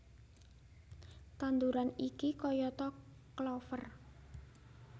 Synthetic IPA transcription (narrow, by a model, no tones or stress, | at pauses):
t̪and̪uɾanikikɔjɔt̪ɔ | klɔfər